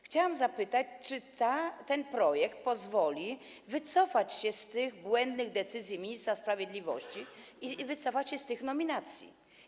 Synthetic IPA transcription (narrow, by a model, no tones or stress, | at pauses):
xt͡ɕawamzapɘt̪at͡ɕt͡ʂɘt̪at̪ɛnpɾɔjɛkt̪̚pɔzvɔlʲi | vɘt̪sɔfat͡ɕɕɛst̪ɘɣbwɛnd̪nɘɣd̪ɛt̪sɘzʲjimʲiɲist̪ɾaspɾavʲjed̪lʲivɔɕt͡ɕiivɘt̪sɔfat͡ɕɕɛst̪ɘxnɔmʲinat̪sʲjḭ